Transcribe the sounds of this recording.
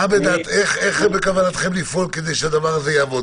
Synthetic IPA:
abed̪aːt̪eχeχbekavanat̪χe̞mlifo̞lked̪e̞jʃead̪avaʁazejaːvo̞

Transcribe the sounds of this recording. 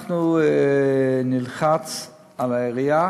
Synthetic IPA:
χnu | nilχat͡s | alaeʁia

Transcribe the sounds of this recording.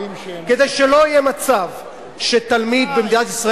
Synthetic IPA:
ke̞d̪ejʃelo̞ijemat͡sav | ʃet̪almid̪̚bemd̪inat̪isʁa

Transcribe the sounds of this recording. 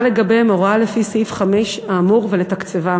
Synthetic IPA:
leɡabemoʁoalefisifχameʃaːmuʁvelet̪akt͡seva

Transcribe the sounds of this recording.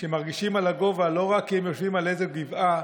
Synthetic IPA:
ʃemaʁɡiʃimalaɡo̞valo̞ʁakːiemjoʃvimalezeɡiva

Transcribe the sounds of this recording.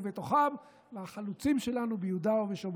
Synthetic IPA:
vet̪o̞χam | veaχalut͡simʃe̞lanubejud̪aoveʃom

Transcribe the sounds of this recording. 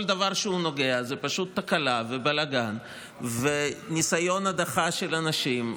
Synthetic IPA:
ld̪avaʁʃeuno̞ɡe̞azepaʃut̪ːakalavebalaɡan | venisajo̞nad̪aχaʃelanaʃim

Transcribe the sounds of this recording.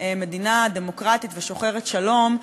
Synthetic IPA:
eme̞dinademo̞kʁat̪itveʃo̞χe̞ʁetʃalo̞m

